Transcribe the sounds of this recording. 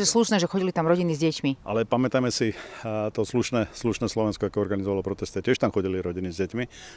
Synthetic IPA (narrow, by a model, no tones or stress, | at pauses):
ɛsluʃnɛːʒɛxɔɟilit̪amɾɔɟinizɟɛcmiʔa̰lɛpamɛt̪amɛsit̪ɔsluʃnɛːsluʃnɛːslɔʋɛnskɔakɛɔɾɡanizɔʋalɔpɾɔt̪ɛst̪icɪɛʃt̪amxɔɟiliɾɔɟinizɟɛcmi